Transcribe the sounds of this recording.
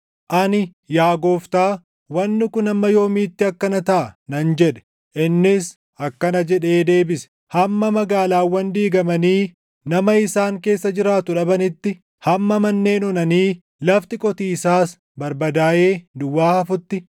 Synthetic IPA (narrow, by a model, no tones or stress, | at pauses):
ʔɐnɪ | jaːɡoːft̪aː | wɐnːɪkʊnɐmːɐjo̞ːmiːt̪ːɪɐkːɐnɐt̪ɐʔɐnɐnd͡ʒɛᶑɛ̥ | ʔɪnːɪs | ʔɐkːɐnɐd͡ʒɛᶑe̞ːd̪e̞ːbɪsɛ̥ | hɐmːɐmɐɡaːlaːwːɐnd̪iːɡɐmɐniː | nɐmɐɪsaːŋke̞ːsːɐd͡ʒɪɾaːt̪ʊᶑɐbɐnɪt̪ːɪ | hɐmːɐmɐnːe̞ːnɔnɐniː | lɐft̪ɪkʼɔt̪iːɪsaːs | bɐɾbɐd̪aːʔe̞ːd̪ʊwːaːhɐfʊt̪ːɪ